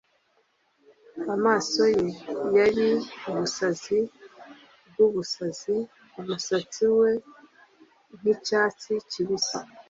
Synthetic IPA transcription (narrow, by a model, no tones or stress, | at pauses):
amaːso̞jejaɾiuβusazi | b̚ɡuβusazi | umusat͡siwe̞ | n̥icaːt͡siciβisa